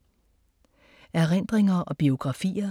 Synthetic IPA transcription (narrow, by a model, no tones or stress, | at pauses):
æɐʁen̰d̥ʁeŋɐʔɒ̽b̥io̝ɡ̥ʁɑ̈fḭːɐ